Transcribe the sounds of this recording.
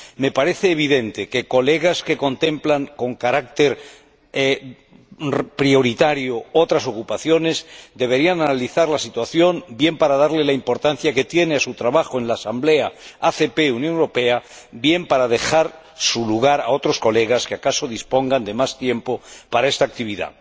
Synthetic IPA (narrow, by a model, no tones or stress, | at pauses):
me̞paɾe̞θeːβ̞iðe̞nt̪e̞ke̞ko̞le̞ɣ̞aske̞ko̞nt̪ẽ̞mplaŋko̞ŋkaɾak̚t̪e̞ɾ | pɾio̞ɾit̪aɾjoo̞t̪ɾaso̞kupaθjo̞ne̞zd̪e̞β̞e̞ɾiananaliθaɾlasit̪waθjo̞mbje̞mpaɾaðaɾle̞laimpo̞ɾt̪anθjake̞t̪je̞neasut̪ɾaβaxoe̞nlaːsamble̞aaθe̞pe̞unjõŋuwɾo̞pe̞abje̞mpaɾað̞e̞xaɾ | suluɣ̞aɾao̞t̪ɾo̞sko̞le̞ɣ̞askeakaso̞ðispo̞ŋɡand̪e̞mast̪je̞mpopaɾae̞st̪aːk̚t̪iβ̞iða̰